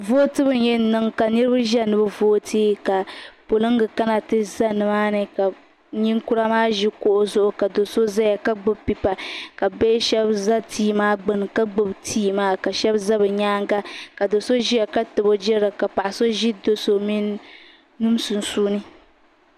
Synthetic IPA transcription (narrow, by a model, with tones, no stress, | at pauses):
voː˦tɨ˦bɨ˦n˦jɛ˦nɨ˦ŋka˨nɨ˦ɾɨ˦bɨ˦ʒɛ˦˨nɨ˦bɨ˦voː˦tʰiː˦ka˨po˨lɨ˦ŋ˦ɡɨ˨ka˦na˨tɨ˦za˦nɨ˨maː˦nɨ˨ka˨ | ɲi˦ŋku˦ɾa˦maː˦ʒi˦ko˦ʔo˦zʊ˦ʔʊ˦ka˨do˨so˦za˦ja˨ka˦ɡ͡bɨ˦bpi˨pa˨ka˨bɛ˦ʃɛ˦bza˦tʰiː˦maː˦ɡ͡bɨ˦n˨ka˦ɡ͡bɨ˦btʰiː˦maː˦ka˨ʃɛ˦bza˦bɨ˨ɲaː˦ŋ˦ɡa˦ka˨do˨so˦ʒi˦a˨ka˦tɨ˨bo˦d͡ʒɛ˦ɾɨ˨ka˨pa˨ʔa˨so˦ʒi˦do˨so˨mi˦nː˦ | u˦m˦su˨n̩˨suː˦nɨ˦